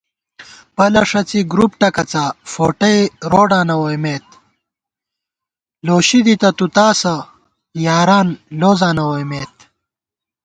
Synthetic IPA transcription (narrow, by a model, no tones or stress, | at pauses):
pɐlɐʂɐt͡siɡɾupʈɐkɐt͡safoːʈɐjɾoːɖaːnɐwojmeːt̪ | loːɕid̪it̪ɐt̪ut̪aːsɐ | jaːɾaːnloːzaːnɐwojmeːt̪̚